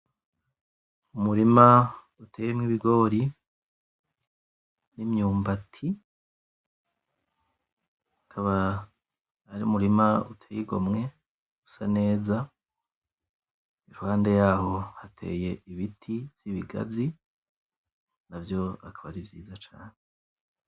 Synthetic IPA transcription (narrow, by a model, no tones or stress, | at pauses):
umuɾima | utʰe̞ːjemŋiβiɡo̞ːɾi | nimɲuːmbatʰi | akʰaβa | ɾiumuɾimautʰeːjiɡo̰mŋe̞̥ | usane̞ːza | iɾuhaːnde̞jaːho̞hatʰe̞̰ːje̞iβitʰiv̥jiβiɡa̰zi | navjo̞akʰaβaɾivjiːzat͡ʃaːne